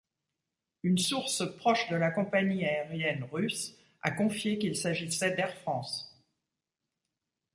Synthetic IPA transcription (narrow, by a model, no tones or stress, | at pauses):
ynsuʁspχɔʃd̪əlakɔ̃paɲiaeʁjɛnʁys | a̰kɔ̃fjekilsaʒisɛd̪ɛʁfχɑ̃ːs